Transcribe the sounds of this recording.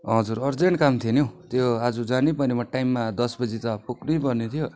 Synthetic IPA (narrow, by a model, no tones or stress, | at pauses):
ɦʌd͡zuɾʌrd͡zeɳʈkamt̪ʰienjot̪joad͡zud͡zanipʌnimʌʈajmːad̪ʌsbʌd͡zit̪ʌpuknujpʌrnet̪ʰijo